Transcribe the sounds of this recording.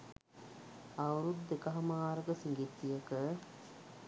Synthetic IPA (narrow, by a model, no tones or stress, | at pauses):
awɾud̪ːekɐɦɐmaːɾəɡəsiŋɡit̪ːijəkə